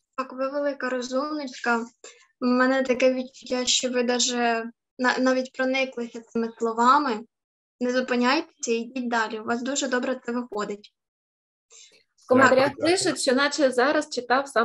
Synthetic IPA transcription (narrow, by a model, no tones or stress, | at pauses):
t̪ɑkʋɪʋelˠɪkɐɾɔzumnɪt͡ʃʲkɐ | mɛnɛt̪ɐkɛʋʲit͡ʃʊtʲːaʃt͡ʃɔʋɪd̪ɑʒɛ | nɑnɑʋʲitʲpɾɔnɪklˠɪsʲɐt̪sɪmɪslˠɔʋɑmɪ | nɛzʊpɪnʲajt̪e̥sʲɐijdʲit̚ʲd̪ɑlʲiʊʋɑsd̪uʒɛd̪ɔbɾɛt̪sɛʋɪxɔd̪ɪtʲ | kɔment̪ɐɾʲat̪lˠɪʃɐtʲʃt͡ʃɔnɑt͡ʃɛzɑɾɐst͡ʃɪt̪ɑwsɑ